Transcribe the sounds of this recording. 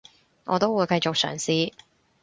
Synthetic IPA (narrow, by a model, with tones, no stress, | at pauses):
ŋɔː˨˧t̪o˥wuː˨˧jkɐ˧jt͡sʊ˨k̚sœ̰ː˨˩ŋsiː˥